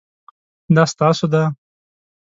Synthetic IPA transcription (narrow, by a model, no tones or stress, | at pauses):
d̪ɑst̪ɑsod̪a